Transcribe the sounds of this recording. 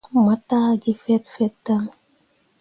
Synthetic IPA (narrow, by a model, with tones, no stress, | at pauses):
ma˨ta˦ɡi˦fɛ˦tfɛ˦tːa˦ŋ